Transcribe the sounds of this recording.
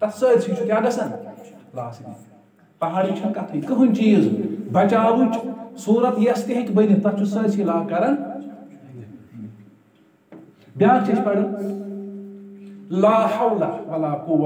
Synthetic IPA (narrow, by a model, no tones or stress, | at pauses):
t̪ɐsəːsʰit͡ʃʰukʲjaːɡɐsɐnlaːsid̪ḭ | pɐɦaːɽit͡ʃʰɐnkɐt̪ʰikɨɦunʲt͡ʃiːzbɐt͡ʃaːwut͡ʃsuːɾɐt̪jɐst̪iɦikbɐjd̪it̪ɐt͡ʃʰusəːsʰilaːkɐɾɐn | bʲjaːɾt͡ʃispɐɽi | laːhɐwlɐʋɐlaːpuw